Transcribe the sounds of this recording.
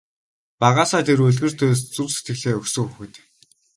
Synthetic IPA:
paʁaːsaːt̪ʰerɵɮɣɘ̆r̥t̪ʰʊːst͡suwse̥t̪ɡɘ̆ɮeːɵksɵ̆ŋuxɘ̆t̪

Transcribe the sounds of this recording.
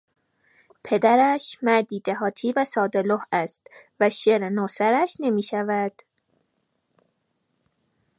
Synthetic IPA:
pʰe̞d̪æɾæʃmæɾd̪iːd̪æɦɒːt̪ʰiːvæsɒːd̪elohæst̪væʃeɾnoːsæɾæʃne̞miːʃævæd̪̥

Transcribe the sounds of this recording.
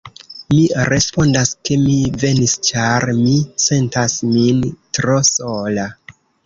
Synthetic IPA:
miɾe̞spo̞ndaske̞mive̞nist͡ʃaɾmise̞ntasmintɾo̞sola

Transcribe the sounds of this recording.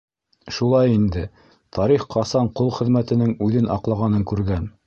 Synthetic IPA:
ʃulˠɑjind̪ɘ | t̪ʰɑɾiχqʰɑsɑɴqolˠχɘ̆ðmæt̪ɘ̆nɘŋʉðɘnʔɑ̰qlˠɑʁɑnɤŋkʉɾɡæn

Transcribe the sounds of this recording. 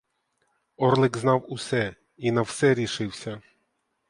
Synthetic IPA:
ɔrlˠɪɡznɑwʊsɛ | inɐwsɛɾʲiʃɪwsʲɐ

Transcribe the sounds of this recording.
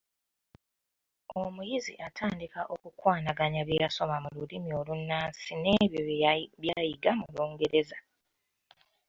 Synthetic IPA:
o̞mujizḭʔatʰaːndikaʔo̞kukwaːnaɡaɲaβjeːɾaso̞mamululimio̞lunːaːnsine̞βjoβjaːjiɡamuloːŋɡe̞ɾe̞za

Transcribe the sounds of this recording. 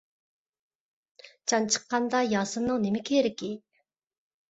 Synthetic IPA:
t͡ʃʰɑnt͡ʃʰə̥qːɑnd̪ɑjɑːsɨmnɨŋnemɪkʲʰeːɾɪkʲi

